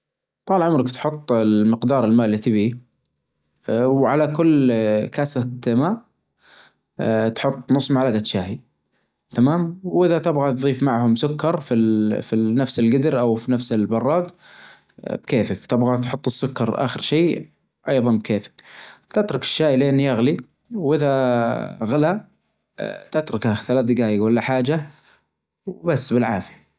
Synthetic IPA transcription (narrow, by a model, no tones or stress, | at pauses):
t̪ˤɑːlʕʊmɾɪkt̪ħʊt̪ˤːɪmɪqd̪ɑːɾˤɪlmaːʔlːit̪ɪbi | wʕalakʊlːkasamaːʔ | t̪ħʊt̪ˤːnʊsˤːmaʕlaɡat̪ʃaːhi | t̪amaːmwʔɪðat̪ɪbɣat̪ðˤiːfmaʕhʊmsʊkːɑɾˤfifinafsɪlɡɪd̪ɾʔawfinafsɪlbɑrˤːɑːɡ | b̥keːfɪkt̪ɪbɣat̪ħʊt̪ˤːɨsːʊkːɑɾˤʔa̰ːxɪɾʃeː | ʔɑjðˤɑnbkʰeːfɪ̥kt̪ɪt̪ɾˤʊkɪ̥ʃːaːjlɪʔɪnːijaɣli | wʔɪða | ɣɪla | t̪ɪt̪ɾˤʊkaθalaːθd̪ɪɡaːjalːaħaːd͡ʒa | wbasːbɪlʕaːfi̥